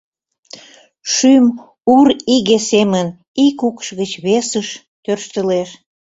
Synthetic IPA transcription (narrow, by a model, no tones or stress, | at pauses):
ʃym | uɾiɣesemən | ikukʃɣət͡ɕβesəʃ | t̪ørʃt̪əleʃ